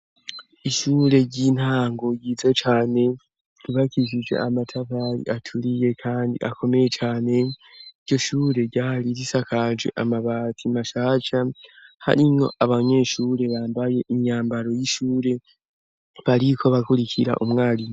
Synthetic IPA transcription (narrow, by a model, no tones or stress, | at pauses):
iʃuːɾe̞ɟiːn̥haːŋɡo̞jiːzet͡ʃaːne̞ | ɾiβakiʒid͡ʒwe̞̰amatʰavaɾḭʔatʰuɾije̞kʰaːndḭʔakʰo̞me̞je̞t͡ʃaːne̞iɾɟo̞ʃuːɾe̞ɾɟaːɾiɾisakʰad͡ʒwḛʔamaβatʰimaʃaːt͡ʃaha̰ɾino̞̰ʔaβaɲe̞ːʃuːɾe̞βaːmbaje̞ʔiɲaːmbaɾo̞jiʃuːɾe̞ | βaɾikʰo̞βakuɾikʰiɾa̰ʔumŋaːli